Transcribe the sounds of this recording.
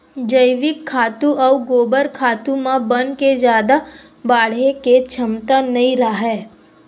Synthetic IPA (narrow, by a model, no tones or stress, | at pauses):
d͡ʒəɪʋɪkʰːaːt̪ũʔɔwɡoːbəɾkʰaːt̪ũmãbənked͡ʒjaːd̪a | baːɽ̤eket͡ʃʰɐmt̪anɐɦĩɾaaɦɛː